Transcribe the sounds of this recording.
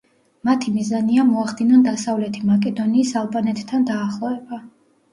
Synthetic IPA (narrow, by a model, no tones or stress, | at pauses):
mat̪ʰimizaniamɔaχd̪inɔnd̪asavlɛt̪ʰimakʼɛd̪ɔniːsalˠbanɛt̪ʼt̪ʰːand̪aːχlˠɔɛba